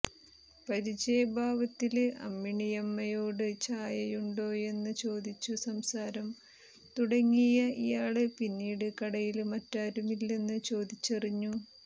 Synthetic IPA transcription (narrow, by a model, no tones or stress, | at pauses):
pɐɾit͡ɕejɐbʱaːʋɐt̪ːilɐ̰mːiɳijɐmːɐjo̞ːɽɨt͡ɕaːjɐjuɳɖo̞ːje̞nːɨt͡ɕo̞ːd̪it͡ɕːusɐmsaːɾɐm | t̪uɽɐŋːijɐḭjaːɭɨpinːiːɽɨkɐɽɐjilmɐtːaːɾumilːe̞nːɨt͡ɕo̞ːd̪it͡ɕːɐriɲːu